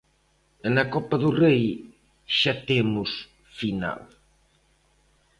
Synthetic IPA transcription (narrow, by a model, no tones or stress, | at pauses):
nɐkɔpɐðʊrej | ʃat̪emʊs | fina̰l